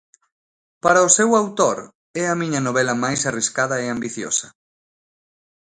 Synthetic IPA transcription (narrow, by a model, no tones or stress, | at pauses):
paɾɐʊsɛwawt̪oɾ | ɛɐmiɲɐnoβɛlɐmajsariskaðɐeambiθjo̰sɐ